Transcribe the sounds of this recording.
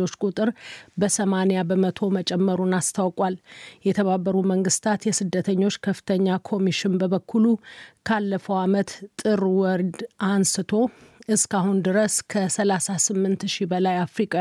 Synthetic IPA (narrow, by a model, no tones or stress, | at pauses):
ot͡ʃːkʼut̪ʼɨɾbəsəmanijabəmət̪ʰo̞mət͡ʃʼɛmːəɾunast̪ʰawkʼwaljɛt̪ʰəβabːəɾuməŋɡɨst̪ʰat̪jɛsɨd̪ːət̪ʰəɲːo̞t͡ʃːkʰəfɨ̥t̪ʰəɲːakʰo̞miʃɪnbəβəkʰːulukʰalːəfəwamət̪t̪ʼːɨɾwɔɾd̪ansɨt̪ʰo̞ʔɨskaɦund̪ɨɾəskʰəsəlasasɨmːɨnt̪ʃibəlajafɾikʼa